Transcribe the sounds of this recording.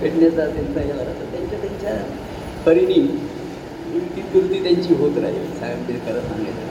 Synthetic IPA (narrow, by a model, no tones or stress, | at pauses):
peɽnjat͡sat̪jant͡saɦeʋəɾasat̪jaɲt͡ɕat̪jaɲt͡ɕa | pəɾiɽ̃iː | it̪iːk̪uɾt̪iːt̪jaɲt͡ɕiːɦot̪ɾa̰ɦḛsaɡbiɾkəɾəsa̰ŋɡa̰t̪a̰